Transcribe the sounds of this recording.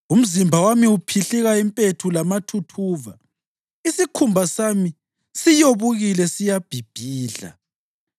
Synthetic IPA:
um̩zimbʱawamiupʰiɬiɣaimpʼetʰulamatʰutʰuːva | isikʰumbʱasami | sijoβuɣilɛsijab̥ʱib̥ʱiːɮa̰

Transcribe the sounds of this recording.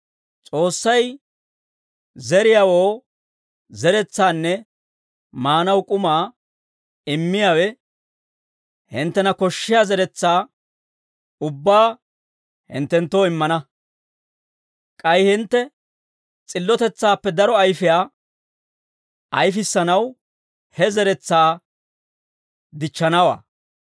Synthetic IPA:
t͡sʼo̞ːsːɐj | zɛɾɪjaːwoː | zɛɾɛt͡sːaːnːɛ | maːnɐwkʼʊmaː | ɪmːɪjaːwɛ | hɪnt̪ːɛnɐkɔʃːɪjaːzɛɾɛt͡sːaː | ʊbːaː | hɪ̰nt̪ːɛnt̪ːoːɪmːɐnɐ | kʼɐjhɪnt̪ːɛ | t͡sʼɪlːɔt̪ɛt͡sːaːpːɛd̪ɐɾɔɐjfɪjaː | ʔɐjfɪsːɐnɐw | hɛzɛɾɛt͡sːaː | d̪ɪt͡ʃːɐnɐwa̰ː

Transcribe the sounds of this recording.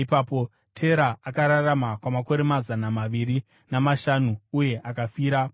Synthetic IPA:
ipaːpo̞ | tʰe̞ɾaʔakaɾaramakwamako̞ɾe̞mazanamaʋiri | namaʃanuuje̞ʔakafiːɾa

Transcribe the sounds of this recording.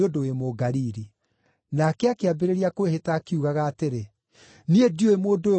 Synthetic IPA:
odoemoɡaɾiɾi | nakɛakeabeɾeɾiakowehetaːkiuɣaɣaːteɾe | niedioemoːdoe

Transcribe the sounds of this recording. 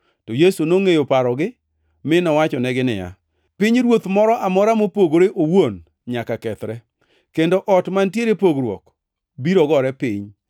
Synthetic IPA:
tojesunoŋejopaɾɔɡɪ | mɪnɔwat͡ʃɔnɛɡɪnɪ̰ja̰ | pɪɲɾwot̪mɔɾɔʔamɔɾamopoɡɾeʔowon | ɲakakɛt̪ɾɛ | kendoʔɔtmantjeɾepoɡɾwɔ̰k | biɾɔɡɔɾɛpɪɲ

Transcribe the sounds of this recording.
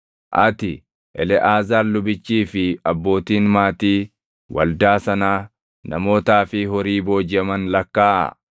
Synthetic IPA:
ʔɐ̰t̪ɪ | ʔɛlɛʔaːzaːɾlʊbɪt͡ʃːiːfɪɐbːo̞ːt̪iːnmaːt̪iː | wɐ̰ld̪aːsɐnaː | nɐmo̞ːt̪aːfɪɦɔɾiːbo̞ːd͡ʒɐmɐnlɐkːaːʔɐ̰

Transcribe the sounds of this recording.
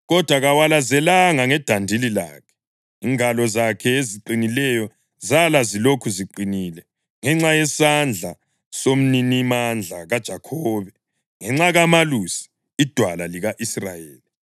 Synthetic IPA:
ɣɔd̥ʱwaɣawalazɛlaŋaŋɛd̥ʱandʱilila̰ːkʰɛ̥ | iŋalɔzakʰɛeziǃinilɛjɔ | zalazilokʰuziǃiniːlɛ | ŋɛŋ͡ǁajɛsand͡ɮʱa̰ | som̩ninimand͡ɮʱaɣad̥ʒ̥ʱakʰɔːβɛ | ŋɛŋ͡ǁaɣamalusi̥ | id̥ʱwalaliɣaʔisra̰jeːli

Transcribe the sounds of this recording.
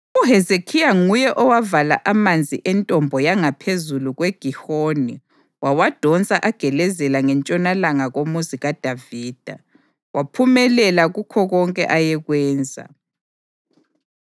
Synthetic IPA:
uɦɛzekʰijaŋujɛʔɔwavala̰ʔamand͡zʱiʔɛntʼɔmbʱɔjaŋapʰezuluɣweɡ̥ʱihoːni | wawad̥ʱɔnt͡sʼaʔaɡ̥ʱɛlɛzɛlaŋɛnt͡ʃʼɔnalaŋaɣomuziɣad̥ʱaviːd̥ʱa̰ | wapʰumɛlɛlaɣukʰɔɣɔŋkʼɛ̰ʔajɛɣwɛːnd͡zʱa̰

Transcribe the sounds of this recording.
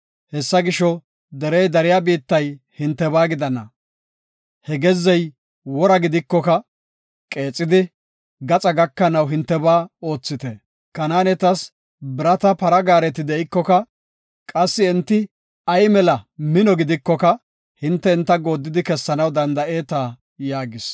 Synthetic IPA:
hɛsːɐɡɪʃɔ | d̪ɛɾɛjd̪ɐɾɪjabiːt̪ːɐj | hɪnt̪ːɛbaːɡɪd̪ɐnːɐ̰ | hɛɡɛzːɛj | wɔɾɐɡɪd̪ɪkːɔkɐ | kʼe̞ːt͡sʼːɪd̪ɪ | ɡɐt͡sʼɐɡɐkːɐnɐwɦɪnt̪ːɛbaːo̞ːt͡sːɪt̪ɛ | kɐnaːnɛt̪ɐs | bɪɾɐt̪ɐpɐɾɐɡaːɾɛt̪ɪd̪ɛʔɪkːɔkɐ | kʼɐsːɪːnt̪ːɪ | ɐjmɛlɐmɪnɔɡɪd̪ɪkːɔkɐ | hɪnt̪ːɛɪnt̪ːɐɡo̞ːd̪ːɪd̪ɪkɛsːɐnɐwd̪ɐnd̪ɐʔe̞ːt̪aː | jaːɡɪs

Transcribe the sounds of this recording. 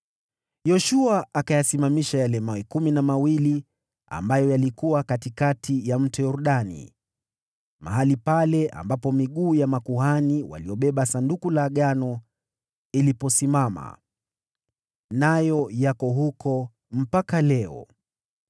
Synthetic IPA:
jɔʃuaʔːkajasimamiʃajalɛmawɛkuminamawili | a̰mbajɔjalikuwakatikatʰijam̩tɛjɔɾuɗanḭ | ma̰ɦalipalɛʔa̰mbapɔmiɠuːjamakuɦaniwa̰liɔɓɛɓasandukulaːɠanɔ | ilipɔsimama̰ | najɔjakɔɦukʰɔ | m̩pakalɛɔ̰

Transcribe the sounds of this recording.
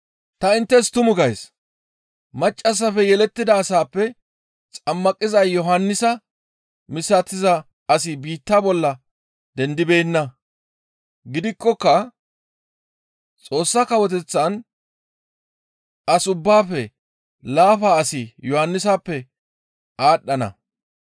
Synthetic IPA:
t̪ɐɪnt̪ːɛst̪ʊmʊɡɐjs | mɐt͡ʃʼːɐs̬ːɐfɛjɛlɛt̪ːɪd̪ɐːsaːpːɛ | t͡sʼɐmːɐkʼːɪzɐjjɔɦɐnːɪsɐ | mɪsːɐt̪ːɪzɐ | ɐs̬ɪbiːt̪ːabɔlːɐ | d̪ɛnd̪ɪbe̞ːnːɐ | ɡɪd̪ɪkːɔkːɐ | t͡sʼo̞ːsːɐkɐwɔt̪̬ɛt͡sːɐn | ɐsʊbːaːfɛ | laːfaɐsɪjɔhɐnːɪsaːpːɛ | aːɗːɐnɐ̰

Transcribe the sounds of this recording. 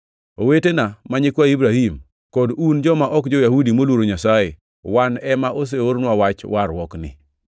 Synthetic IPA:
owetenamaɲɪkwaibɾahim | kɔdund͡ʒɔmaʔɔkd͡ʒɔjahudimolwoɾoɲasaje | wanɛmaʔos̬eoɾnwawat͡ʃwaɾwɔknɪ̰

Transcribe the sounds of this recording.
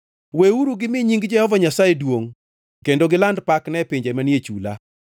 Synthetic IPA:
weuɾuɡɪmɪɲiŋɡd͡ʒɛhɔvaɲasajedwoŋ | kendoɡɪlandpaknɛpɪɲd͡ʒɛmanjet͡ʃula̰

